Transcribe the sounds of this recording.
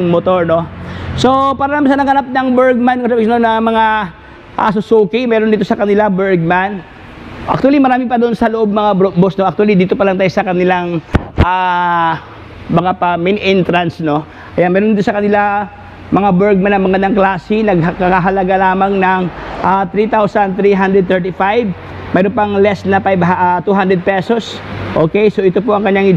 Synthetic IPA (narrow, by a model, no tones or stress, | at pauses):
mot̪o̞ɹno̞so̞paːɾɐnamasɐnɐɡɐnap̚nɐŋbɛɹɡ̚mankɐsabɪsɐnonɐmɐŋa | ʔa̰sʊsoːkimɛːɾond̪iːt̪osɐkɐnɪlabɛɹɡ̚man | ʔɐ̰k̚t̪uɐlimɐɾaːmɪpɐd̪oonsɐloʔo̞b̚mɐŋabɾoʔbosnoʔɐk̚t̪ualid̪iːt̪o̞pɐlɐŋt̪aːjosɐkɐnɪlaŋʔa | mɐŋapɐminʔɪnt̪ɾansno̞ | ʔɐjanmɛːɾont̪osɐkɐnɪla | mɐŋabɛɹɡ̚manːɐmɐɡɐnd̪aŋklaːsinɐɡ̚ɦkakaɦɐlɐɡalaːmɐŋnɐŋʔat̪ɾit̪awsɐnd̪̚t̪ɾiɦand̪ɾɛd̪̚t̪ɛɹt̪ifajb̚ | mɛːɾonpɐŋlɛsnɐpajbɦʔat̪uːɦand̪ɾɛd̪̚pɛso̞sʔoːkejsoʔɪt̪o̞poʔɐŋkɐɲɲaŋ